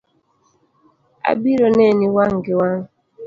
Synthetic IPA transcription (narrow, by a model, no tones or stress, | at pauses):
a̰biɾɔnɛniwaŋɡiwaŋ